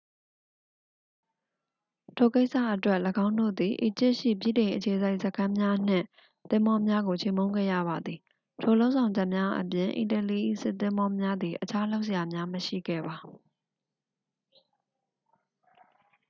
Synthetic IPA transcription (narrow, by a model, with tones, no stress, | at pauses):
tʰo˨ke˦ɪʔsa̰˦˨ʔətwɛ˦ʔləɡã˦ʊ̃ndo̰˦˨d̪i˨ʔḭ˨t͡ɕɪ˦ʔʃḭ˦˨pjḭ˦˨dẽ˨ɪ̃ʔət͡ɕʰe˨sa˦ɪʔsəkʰã˦mja˦n̥ɪ̰̃˦˨ | t̪ɪ̃˦mɔ˦mja˦ɡo˨t͡ɕʰe˦˨mõ˦ʊ̃ŋɡɛ̰˦˨jä̰˦˨ba˨d̪i˨ | tʰo˨lõ˦ʊʔzã˨ʊ̃ɲd͡ʑɛ˦ʔmja˦ʔə̰pjɪ̃˨ʔḭ̃˨tə˨li˦ʔḭ˦˨sɪ˦˨t̪ɪ̃˦mbɔ˦mja˦d̪ði˨ʔət͡ɕʰa˦lo˦ʊʔs̬ə˨ja˨mja˦məʃḭ˦˨ɡɛ̰˦˨ba˨